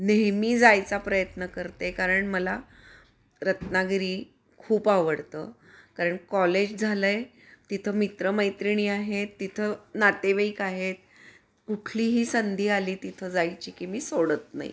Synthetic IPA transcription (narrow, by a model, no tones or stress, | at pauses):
neɦmiːd͡zajt͡sapɾəjət̪nəkəɾt̪ekaɾəɳməla | ɾət̪naɡɾiː | kʰuːpaʋəɽt̪ə̰ː | kaɾəɳkɔled͡ʑd͡zʱaləj | t̪it̪ʰəːmit̪ɾəməjt̪ɾiɳ̃iːaɦet̪ːit̪ʰənat̪eʋəikaɦet̪̚ | kuʈʰliːɦiːsənd̪ʱiːaliːt̪it̪ʰəːd͡zajt͡ɕiːkiːmiːsoɽət̪na̰jḭ